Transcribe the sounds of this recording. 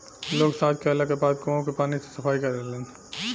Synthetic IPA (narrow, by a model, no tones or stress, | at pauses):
loːɡsaːt̪kelakebaːd̪̚kõõkepaːnise̥səpʰaːikəɾd̪elẽːn